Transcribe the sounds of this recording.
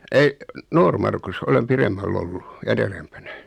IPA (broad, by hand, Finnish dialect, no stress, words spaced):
ei noːrmɑrkus olem piremːælː olːu en erempænæ